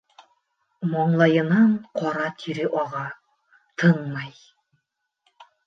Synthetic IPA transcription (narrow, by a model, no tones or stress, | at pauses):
mɒɴlˠɑjɤ̆nɑɴqʰɒɾɑt̪ʰiɾɘʔɒʁɑ | t̪ʰɤɴmɑj